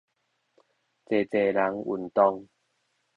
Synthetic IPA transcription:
t͡se˨˩t͡se˨˩la˨˦ŋṵ˨˩nt̪ɔ˧ŋ

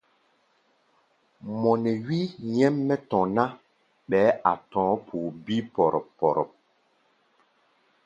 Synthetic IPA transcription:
mɔ˨nɛ˨wi˦jɛ˦mːɛ˦tɔ̃˨na˦ | ɓɛ˨˦a̰˨tɔ̃ː˨˦pʰuː˨bi˦pɔ˨ɾɔ̰˨pːɔ˨ɾɔ̰˨p̚

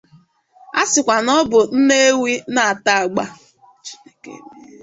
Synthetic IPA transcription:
a˦sɪ˨kʷa˨nɔ˦bʊ˨n̩˦ne˦wi˦na˨a˨ta˦a˨ɡ͡ba˦ | t͡ʃi̥˦ne˦kḛ˦˨

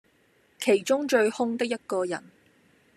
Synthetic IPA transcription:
kʰe˨˩jt͡ʃʊ˥ŋt͡ʃɵ˧ɥhʊ˥ŋt̪ɪ˥k̚jɐ˥t̚kɔː˧jɐ˨˩n

